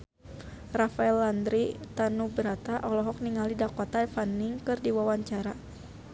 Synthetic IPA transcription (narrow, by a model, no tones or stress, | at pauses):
rafaɛland̪ɾit̪anubəɾat̪aʔɔlɔɦɔk̚niŋalidakɔt̪afaniŋkɨrdiwawaɲt͡ʃaɾa